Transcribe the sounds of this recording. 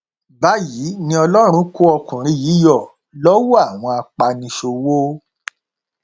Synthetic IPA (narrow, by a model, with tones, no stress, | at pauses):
ba˦ji˨˦nĩ˧˦ɔ˧lɔ˦ɾ̃ũ˧˦ku˦ɔ˧kũ˨ɾ̃ĩ˦jiː˨˦jɔ˦˨ | lɔ˦wo˦a˦˨w̃ɔ̃˧a˧k͡pa˧nĩ˧ʃo˧wo˦